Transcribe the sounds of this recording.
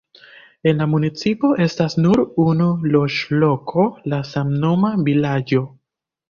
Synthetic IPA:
e̞nlamunit͡sipo̞ʔe̞stasnuɾunulo̞ʃlo̞kʰo̞lasamno̞mavilad͡ʒo̞

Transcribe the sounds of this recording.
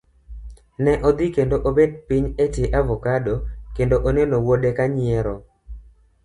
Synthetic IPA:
nɛʔod̪ikendoʔobed̚piɲeteʔavɔkadokendoʔonɛnowodekaɲɪɛɾɔ

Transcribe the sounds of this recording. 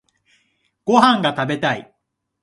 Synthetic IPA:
ɡ̥o̞ɦãŋɡat̪abe̞t̪aḭ

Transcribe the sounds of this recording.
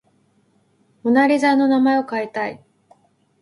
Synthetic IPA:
monaɾʲizaːnːo̞namaeo̞kait̪ai

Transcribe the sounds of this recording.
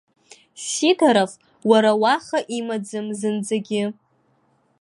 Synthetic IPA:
sitʰaɾaf | waɾawaχaʔimad͡zɨmzɨnd͡zaɡʲɪ

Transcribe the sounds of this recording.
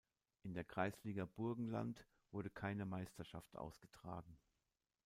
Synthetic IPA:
ʔɪndeːɐɡʁ̥aɪsliːɡɐb̥ʊɐɡŋ̩la̰nt | v̥ʊɐɾəkʰaɪnəmaɪstɐʃa̰ftʔa̰ʊsɡ̥ətʁ̥a̰ːɡŋ̩

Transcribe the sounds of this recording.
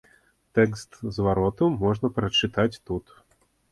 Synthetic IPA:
t̪ɛkst̪zvaɾɔt̪umɔʐnɐpɾɐt͡ʂɨt̪at͡sʲt̪ut̪

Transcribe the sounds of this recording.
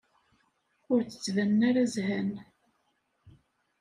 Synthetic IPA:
ʊɾt͡sə̥t͡sːvænːaɾazhæn

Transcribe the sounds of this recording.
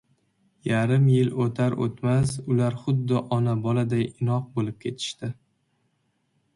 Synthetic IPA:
jaɾɪmjɪlot̪ʰaɾʔo̰t̪mas̬ʊlaɾχʊd̪ːɪʔɒnabɒlad̪ajɪnɒq̚bolɪp̚kʲʰe̞t̪ʰɪ̥ʃt̪ɪ

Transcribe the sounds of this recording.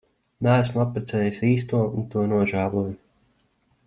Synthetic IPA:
nææsmapːɾet̪sɛːjisiːst̪uɔunt̪uɔnuɔʒæːlˠuɔju

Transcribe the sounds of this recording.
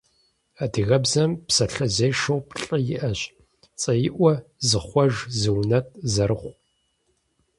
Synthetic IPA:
adɨɣɐbzɐmpsɐɬɐzejʂɐwpɬʼɐjɪʔɐɕ | t͡sʼɐjɪʔʷɔzɨχʷɔʒzɨwnɐtʼzɐɾɨχʷ

